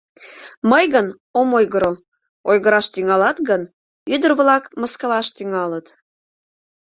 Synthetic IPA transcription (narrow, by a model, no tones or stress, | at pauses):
məjɣən | omojɣəɾo | ojɣəɾɑʃt̪yŋɑlɑt̪ɣən | yd̪ərβlɑkməskəlɑʃt̪yŋɑlət̪